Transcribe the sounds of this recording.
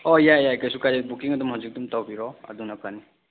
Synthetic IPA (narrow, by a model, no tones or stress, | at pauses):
ɔjajaekajsukajabukiŋadumɦazik̚dumtawbiɾɔa̰duŋnakani